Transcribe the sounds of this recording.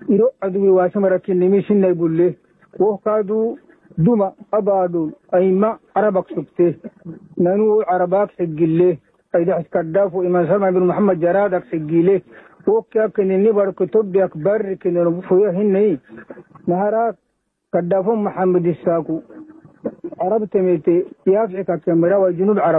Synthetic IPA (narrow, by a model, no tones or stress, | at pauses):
iɾoad̪uwiwaːsimaɾakːinːemisinːajbulːe | wohkad̪u | d̪umaabaːdulaimːa | aɾabaksukt̪e | nanuʕaɾabaksiɡilːe | ajd̪aħskadːafoimans̬almanbinmuħamːad̪̚d͡ʒaɾaːd̪aksiɡile | wokːiakːinenibadukːet̪obːijakbarːikinenfojaɦinːai | nahaɾak | kadːafomuħamːad̪isaku | ʕaɾabt̪emet̪ejafikakːemːaɾawajd͡ʒunuːbʕaɾa